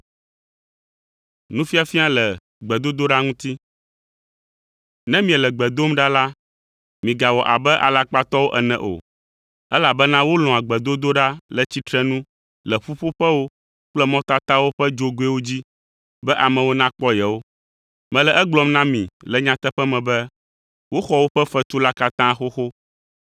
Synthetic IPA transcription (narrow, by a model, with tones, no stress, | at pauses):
nũ˦fi˦a˨fi˦a˦lɛ˨ | ɡ͡bɛ˨d̪o˦d̪o˦ɖa˦ŋũ˦t̪i˦ | nɛ̃˦mĩ˨ɛ˨lɛ˨ɡ͡bɛ˨d̪o˦mɖa˦la˦ | mĩ˨ɡa˨wɔ˨ʔa˨bɛ˦ʔa̰˨la˦k͡pa˦t̪ɔ˦wo˦ʔɛ˨nɛ̰̃˨ʔo̰˨ | ɛ˦la˨bɛ˦nã˦wo˦l̃ɔ̃˨a˨ɡ͡bɛ˨d̪o˦d̪o˦ɖa˦lɛ˨t͡ɕi˦t̪ɾɛ˦nũ˦ | lɛ˨ɸu˦ɸo˦ɸɛ˦wo˦ | k͡plɛ˦mɔ̃˦t̪a˦t̪a˦wo˦ɸɛ˦d͡ʒo˦ɡo˨˦e˦wo˦d͡ʑi˦ | bɛ˦ʔa˨mɛ̃˨wo˦nã˦k͡pɔ˦jɛ˨wo˦ | mɛ̃˨lɛ˨ʔɛ˦ɡ͡blɔ˨mnã˦mḭ̃˨lɛ˨ɲã˦t̪ɛ˦ɸɛ˦mɛ̃˨bɛ˦ | wo˦xɔ˦wo˦ɸɛ˦fɛ˦t̪u˦la˦ka˦t̪ã˦xo˦xo˦